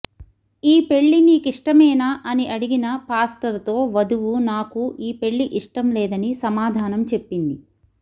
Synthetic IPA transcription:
iːpe̞ɭːiniːkiʂʈɐmɛːnaːʔɐniʔɐɽiɡinɐpaːsʈɐɾt̪o̞ːʋɐd̪uʋunaːkuiːpe̞ɭːiʔiʂʈɐmlɛːd̪ɐnisɐmaːd̪ʱaːnɐmt͡ʃe̞pːind̪i

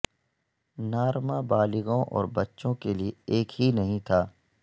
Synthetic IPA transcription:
naːɾmabaːlɪɣõʔɔ̰ːɾbɐtːʃõkelieeːkɦinɐɦĩt̪ʰaː

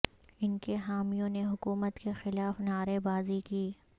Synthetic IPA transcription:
ɪnkeɦaːmijõneɦʊkuːmət̪kexɪlaːfnaːɾebaːzikiː

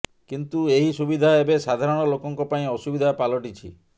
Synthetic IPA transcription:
kint̪ueɦisubid̪ʱaebesad̪ʱaɾɔɽ̃ɔlokɔŋkɔpaĩɔsubid̪ʱapalɔʈit͡ʃʰḭ

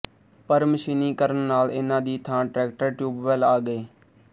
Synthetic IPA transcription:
pəɾməʃiniːkəɾənːaːlɪnãːd̪iːt̪ʰãːʈɾɛːkʈəɾʈjuːbʋɛlaːɡəeː

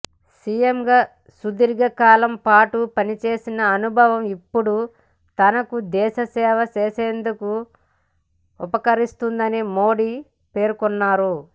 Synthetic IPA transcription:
siːjemɡaː | sud̪iɾɡɐkaːlɐmpaːʈupɐnit͡ʃe̞ːsinɐːnubʱɐʋɐmipːuɽu | t̪ɐnɐkud̪ɛːʃɐsɛːʋɐt͡ʃeːseːnd̪uku | ɔpɐkɐɾist̪und̪ɐnimo̞ːɽi | pe̞ːɾkɔnːaːɾu

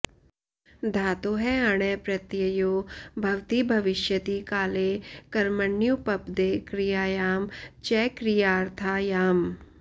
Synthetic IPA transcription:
d̪ʱaːt̪oɦɛɐɽ̃ɛːpɾɐt̪jɐjoːbʱɐʋt̪ibʱɐʋɪʃjət̪ikaːlekɐɾməɳːjupɐpd̪ekɾijaːjaːmt͡ʃɛːkɾijaːɾt̪ʰaːjaːm

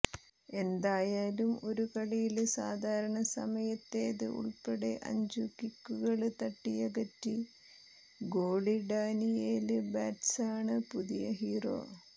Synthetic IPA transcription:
e̞nd̪aːjaːlumo̞ɾukɐɭijilsaːd̪ʱaːɾɐɳɐsɐ̰mɐjɐt̪ːeːðɨ̰ʔṵɭpeɽeʔɐ̰ɲd͡ʑukːikːuɣɐɭt̪ɐʈːijɐɡɐtːi | ɡo̞ːɭiɖaːnijeːlɨbaːʈsaːɳɨpuðijɐ̰ɦiːro̞̰ː

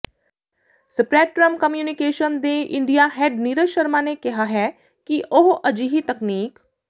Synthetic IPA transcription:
sɪpɾɛːʈːɾəmkəmjuːnɪkeːʃənd̪eːʔɪ̰̃ɳɖijaːɦɛːɖniɾəʃəɾmãːnekɪɦaɦɛː | kiʔoɦʔəd͡ʒiɦit̪əkniːk

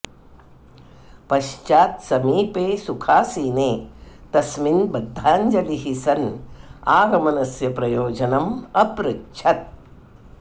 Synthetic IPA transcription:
pɐʃt͡ʃaːt̪sɐmiːpeːsukʰaːsiːneːt̪ɐsminbɐd̪ʱːaːɲd͡ʒɐliɦisɐnaːɡɐmɐnɐsjɐpɾɐjoːd͡ʒɐnɐmɐpɾɐkʃʰɐt̪̚

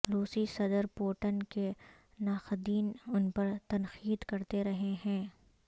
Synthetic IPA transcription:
ɾuːsisɐd̪əɾpoːʈənke | naːxd̪iːnʊnpɐɾt̪ɐnxiːd̪kɐɾt̪eɾɐɦeɦɛ̃ː

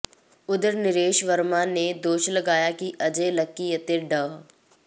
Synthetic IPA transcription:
ʊd̪əɾnɪɾeːʃʋəɾmaned̪oːʃlɐɡaːjakiʔɐd͡ʒelɐkːijət̪eɖəʋ

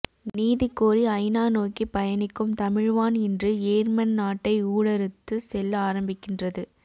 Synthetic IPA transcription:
niːðɪkːoːɾiɐɪnaːnoːkipɐjɐnɪkːɯmt̪ɐmɪɻʋaːnɛndrɯeːɾmɐnnaːʈːɐɪuːɽɛɾɯt̪ːɯsɛlːaːɾɐmbɪkːɪndrɐðɯ

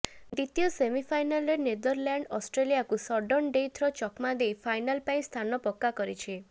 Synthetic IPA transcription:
d̪it̪ijɔsemipʰajnalened̪ɔɾljaɳɖɔsʈɾelijakusɔɖɔnɖejt̪ʰɾɔt͡ʃɔkmad̪ejpʰajnalpaĩst̪ʰanɔpɔkːakɔɾit͡ʃʰi

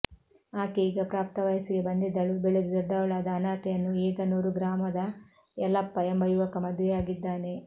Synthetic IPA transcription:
aːkiiːɡɐpɾaːp̚t̪ɐʋɐjɐsiɡe̞bɐnd̪id̪ɐɭubeɭed̪ud̪ɔɖːɐʋɐɭaːd̪ɐːnaːt̪ɛjɐnːueːɡɐnuːɾuɡɾaːmɐd̪ɐ | ɛlɐpːɐembɐjuʋɐkɐmɐd̪ʋɛjaːɡid̪ːaːne̞

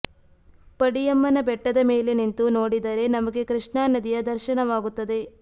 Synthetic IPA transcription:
pɐɽijɐmːɐnɐbɛʈːɐd̪ɐmeːle̞nint̪uno̞ːɽid̪ɐɾe̞nɐmɐɡe̞kɾɨʂɳaːnɐd̪ijɐd̪ɐɾʃɐnɐʋaːɡut̪ːɐd̪e̞

